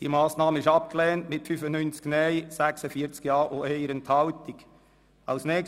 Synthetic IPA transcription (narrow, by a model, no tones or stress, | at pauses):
d̥ḭmɑːsnɑːməɪʃɑp̚klɛːntmɪtfyfənynt͡sknɛɪsæksəfiːəɾt͡skjɑːʔoɛɪəɾəntʰhɑltɪɡ̥ | ɑʊsnɛː